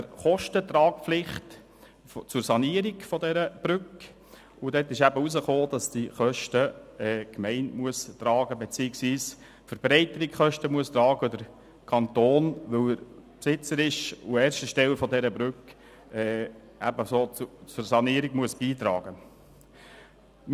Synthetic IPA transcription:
əɾχɔʃtət̪ɾɑːk̚flɪχt | ft͡sʊɾsɑniəɾɪɡfɔdɛɾəb̥ɾʏk | ʊdɛtːɪʃæbəusəχoːd̥ɑsd̥iχœʃtəɛːkmɛɪnmuəst̪ɾɑːɡəbet͡siːɪksʋiːs | fəɾb̥ɾɛɪt̪əɾɪkχœʃtəmuəst̪ɾɑːɡəd̪əɾ | kʰɑnt̪oːnʋɵlɾpsɪt͡səɾɪʃṵɛːɾʃtəʃtɛlfɔd̪ɛɾəbɾʉk | ɛː | æ̰bəsoːt͡st͡sʊɾsɑniəɾiɡmuəsb̥iːt̪ɾɑ̰ːɡ̥ə

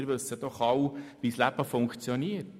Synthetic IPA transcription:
ɾʋɵsəd̥ɔχɑwʋislæb̥əfʊŋkt͡sjɔniət

